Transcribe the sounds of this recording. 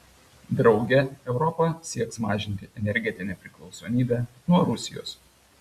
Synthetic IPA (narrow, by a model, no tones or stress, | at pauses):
d̪ɾɒʊɡʲɛɛʊɾɔpɐsʲiɛksmɑːʒʲɪnʲt̪ʲɪʔɛnʲɛɾʲɡʲɛt̪ʲɪnʲɛpʲɾʲɪklˠɒʊsoːmʲiːbʲæː | nuɔɾʊsʲɪjo̰ːs